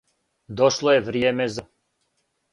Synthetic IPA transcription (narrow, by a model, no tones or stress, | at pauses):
d̪ɔʃlˠɔɛvɾijɛːmɛza